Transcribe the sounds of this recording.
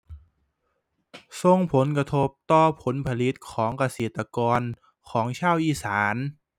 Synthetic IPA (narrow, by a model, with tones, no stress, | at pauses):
so˧ŋpʰo˩˦nka˧t̪ʰo˦˥p̚t̪ɔː˧˩pʰo˩˦npʰa˧li˦˥t̪̚kʰɔː˩˦ŋka˧seː˨˩t̪ːa˧kɔː˧n | kʰɔː˩˦ŋt͡ɕʰaː˥˩wʔiː˧˥˩saː˩˦n